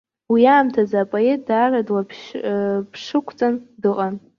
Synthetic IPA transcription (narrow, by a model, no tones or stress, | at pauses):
wiaːmtʰazːpʼoe̞t̚ʰʼdaːradwa | pʰʂɨkʷʰt͡sʼandɨqʼan